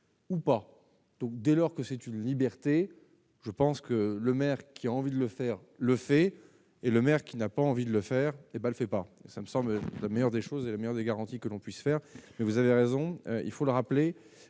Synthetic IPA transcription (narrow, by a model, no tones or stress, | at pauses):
upa | d̪̥ɔ̃k̚d̪ɛlɔʁkəsɛt̪ynlibɛʁt̪e | ʒəpɑ̃skələmɛʁkʲʰiaɑ̃vid̪ələfɛʁ | ləfɛ | eləmɛʁkʲinapaɑ̃vid̪ələfɛʁebaləfɛpaesaməsɑ̃bllamejœʁd̪eʃozelamejœʁd̪eɡaʁɑ̃t̪ikəlɔ̃pɥisfɛːʁmɛvuzaveʁezɔ̃ø̰ḭlfoləʁaple